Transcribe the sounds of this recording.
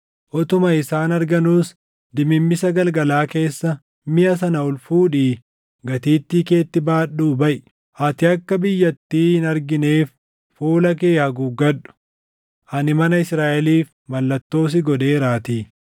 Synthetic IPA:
ʔɔt̪ʊmɐɪsaːnɐɾɡɐnuːs | d̪ɪmɪmːɪsɐɡɐlɡɐlaːke̞ːsːɐ | mɪʔɐs̬ɐnɐʊlfuːᶑiː | ɡɐt̪iːt̪ːiːke̞ːt̪ːɪbaːɗːuːbɐʔ | ʔɐt̪ɪɐkːɐbɪjːɐt̪ːiːhɪnɐɾɡɪne̞ːf | fuːlɐkeːhɐɡuɡɐᶑʊ̥ | ʔɐnɪmɐnɐɪsɾaːʔɛliːf | mɐlːɐt̪ːo̞ːs̬ɪɡɔd̪e̞ːɾaːt̪iː

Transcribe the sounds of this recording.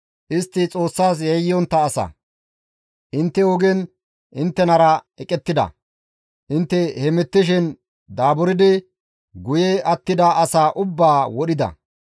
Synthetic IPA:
ʔɪst̪ːɪt͡sʼo̞ːsːaːs̬jɛjːɔnt̪ːɐːsɐ̰ | ʔɪnt̪ːɛwɔɡɛn | ʔɪnt̪ːɛnɐɾɐɛkʼɛt̪ːɪd̪ɐ̰ | ʔɪnt̪ːɛhɛmɪt̪ːɪʃ̬ɪn | d̪aːbʊɾɪd̪ɪ | ɡʊjɛɐt̪ːɪd̪ɐʔɐsaːʔʊbːaːwɔɗɪd̪ɐ̰

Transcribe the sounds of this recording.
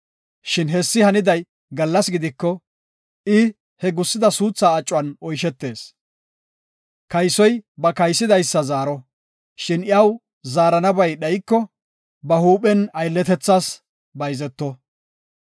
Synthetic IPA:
ʃɪnɦɛsːɪhɐnɪd̪ɐj | ɡɐlːɐsɡɪd̪ɪkːɔ | ɪ | hɛɡʊsːɪd̪ɐsuːt͡sːaːt͡ʃʼːwɐnɔjʃɛt̪ːe̞ːs | kɐjsɔjbɐkɐjsːɪd̪ɐjsːɐzaːɾɔ | ʃɪnɪɐw | zaːɾɐnɐbɐjɗɐjkːɔ | bɐhuːpɛnɐjlːɛt̪ɛt͡sːaːs | bɐjzɛt̪ːɔ

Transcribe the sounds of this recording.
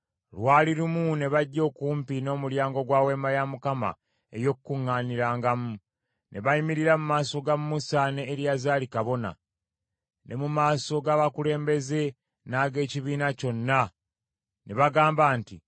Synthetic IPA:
lwaːliɾumune̞βaɟːo̞ːkuːmpino̞ːmuljaːŋɡo̞ɡwaːwe̞ːmajamukama̰ | e̞̰jo̞kukuŋːaːniɾaːŋɡamu | nʔe̞βaimiɾiɾamumaːso̞ɡamːusaneːɾjazaːlikaβo̞na̰ | nʔe̞mumaːso̞ɡaːβakule̞ːmbe̞ze̞ | naːɡe̞ːciβiːnaco̞nːa | ne̞βaɡaːmbaːntḭ

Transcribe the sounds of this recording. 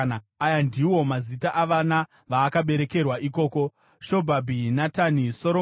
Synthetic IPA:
ajandiwo̞mazitaʔaʋana | ʋaːkaɓe̞ɾe̞ke̞rwaʔiko̞ːko̞ | ʃo̞bʱabʱinataniso̞ɾo

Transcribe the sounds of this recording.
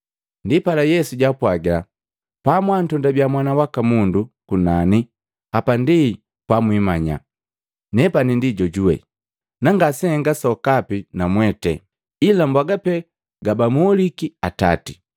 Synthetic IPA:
ndipalajɛsuɟapwaɡɛla | pamwantɔndabjamwanawakamundukunani | apandi | pamwimaɲa̰ | nɛpanindiɟɔɟuwɛ̰ | naŋɡasɛŋɡasɔkapinamwɛtɛ̰ | ilambwaɡapɛ | ɡabamulikiata̰ti̥

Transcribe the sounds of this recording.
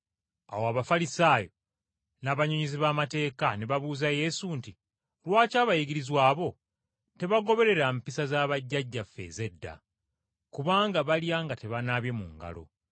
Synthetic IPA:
a̰woaβafalisaːjo̞ | naːβaɲoɲiziβaːmate̞ːkane̞βaβuːzaje̞sunti | lwaːcaːβajiɡiɾizwaːβo̞ | te̞βaɡo̞βe̞ɾe̞ɾampisazaːβaɟːaɟːafːe̞̰ze̞dːa̰ | kuβaːŋɡaβaljaːŋɡate̞βanaβje̞mṵŋɡa̰lo̞̰

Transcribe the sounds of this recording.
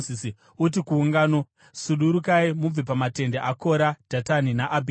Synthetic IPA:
isi | utikuːŋɡaːno | suɗuɾukaimub͡vipamate̞ndeʔako̞ɾad̥ʱataninaʔabʱi

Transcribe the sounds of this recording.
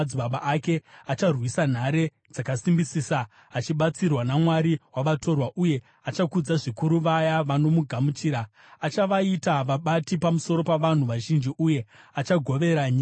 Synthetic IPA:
d͡ziɓaɓaʔake̞at͡ʃarwisan̤aɾe̞ | d͡zakasimbisiːsaː | t͡ʃiɓat͡sirwanamwaɾiwaʋato̞rwaʔuje̞ | at͡ʃakud͡zaʐikuɾuʋajaʋano̞muɡʱamut͡ʃiːɾa | at͡ʃaʋaitaʋaɓatipamuso̞ɾo̞paʋan̤uʋaʒind͡ʒiʔuje̞at͡ʃaɡʱo̞ʋe̞ɾaɲiː

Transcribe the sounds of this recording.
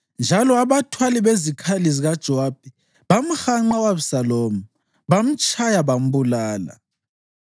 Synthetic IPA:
nd͡ʒʱalɔaβatʰwaliβezikʰaliziɣad̥ʒ̥ʱɔaːb̥̚ʱi | βam̩xaŋ͡ǃawaβsaloːmu | βam̩t͡ʃʼʰajaβam̩bulaːla̰

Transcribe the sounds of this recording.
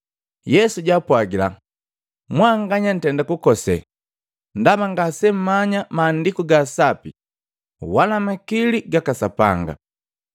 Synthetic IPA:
jɛsuɟapwaɡila̰ | mwaŋɡaɲan̩tɛndakukɔsɛ̰ | ndamaŋɡasɛm̩maɲamaːndikuɡasapi | walamakiliɡakasapa̰ŋɡa̰

